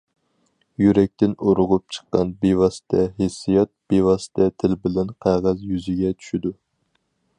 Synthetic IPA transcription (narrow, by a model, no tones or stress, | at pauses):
jyɾɛk̚ʲt̪ɪnoɾʊʁʊp̚t͡ʃʰə̥qːɑ̰nbewɑsɪ̥t̪ʰɛɦesːijɑt̪̚b̥ewɑsɪ̥t̪ʰɛt̪ʰɪlbɪlænqʰɑʁɑzjyzɪɡʲɛt͡ʃʰy̥ʃid̪u